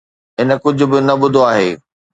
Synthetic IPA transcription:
ɪnə̆kʊd͡ʑʱʊ̆bɪnɐɓʊd̪ʱoaːɦeː

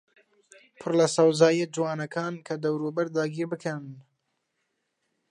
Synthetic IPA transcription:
pʰɨrlɐsɐwzɑːjɛd͡ʒɨwɑːnɐkʰɑːnkʰɐd̪ɐwɾuːbɐɾd̪ɑːɡʲiːɾbɨkʰɐn

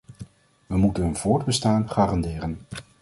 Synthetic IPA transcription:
ʋəmutənɦənvʊːɹdbəstaːnχaːrɑndɪːrən

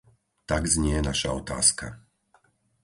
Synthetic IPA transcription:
t̪aɡzɲɪɛnaʃaɔt̪a̰ːska̰

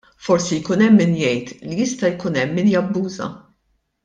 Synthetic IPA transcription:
fɔɾsijkuːnɛmːɪnjɛjt̪lijɪst̪ɐjkuːnɛmːɪnjɐbːuːzɐ̰

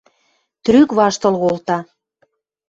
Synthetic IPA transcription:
t̪ɾykβɑʃt̪ɤ̆lɣolt̪ɑ

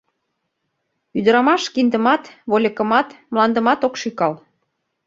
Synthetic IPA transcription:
yd̪əɾɑmɑʃkind̪ə̆mɑt̪βolʲə̆kə̆mɑt̪mlɑnd̪ə̆mɑt̪okʃykɑl

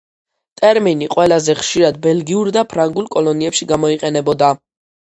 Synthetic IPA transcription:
t̪ʼɛɾminiqʼwɛlazɛχʃiɾad̪bɛlɡiuɾd̪apʰɾaŋɡulˠkʼɔlɔniɛpʃiɡamɔiqʼɛnɛbɔd̪a

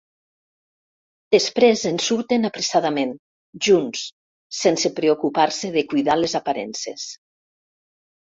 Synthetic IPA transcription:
d̪̥espɾezensuɾt̪enapɾesaðamẽn | ʒunsː | ensepɾeokupaɾseðekujðalezapaɾɛ̰nsḛs

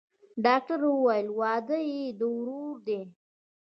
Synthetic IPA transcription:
ɖɑk̚ʈaɾwəwajəlwɑːd̪əjid̪əwɾuɾd̪e

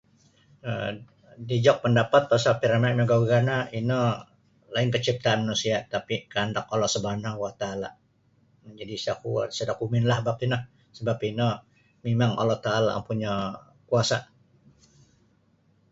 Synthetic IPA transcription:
ə | did͡ʒɔk̚pəndapat̪̚pasalpiɾamaɲaɡaɡanaʔinə | laɪŋkət͡ʃip̚t̪aanmanusiat̪apikəandak̚ɔlɔhsəbanawat̪aala̰ | məd͡ʒadisakusədakumɪnlahbap̚inə | səbapinə | memaŋa̰lɔht̪aːla̰a̰ŋpuɲa | kuasa

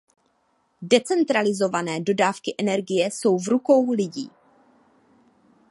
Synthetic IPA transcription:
dɛt͡sɛnt̪ɾalɪzo̞vanɛːdo̞daːfkɪʔɛnɛɾɡɪjɛso̞wvɾuko̞wlɪɟḭː

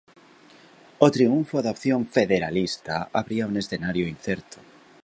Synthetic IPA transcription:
ot̪ɾiuɱfoðaopθjõɱfeðeɾalist̪aaβɾiaunesθenaɾjoin̟θeɾt̪o̥

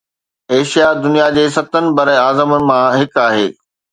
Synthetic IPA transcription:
eːʃijad̪ʊnijad͡ʑeːsɐt̪ənɪ̆bɐɾəaːzəmənɪ̆mãɦɪkaːɦeː

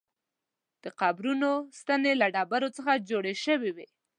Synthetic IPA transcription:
d̪̥əqabɾunost̪anelaɖɑbaɾot͡səxad͡ʒoɽeʃəwiwe

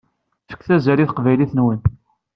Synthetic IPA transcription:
fə̥kːθæzæɾiθə̥qvæjliθənwən

